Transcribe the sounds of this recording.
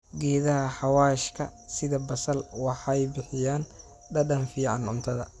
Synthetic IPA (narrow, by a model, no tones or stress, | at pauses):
ɡɛːðɐɦɐħɑwaːʃkʰɐsɪðɐbɐsɐlwɑħjbɪħɪjaːn | ɖɐɖɐnfiːʕɑ̰nʕʊ̰nt̪ʰɐðɐ̰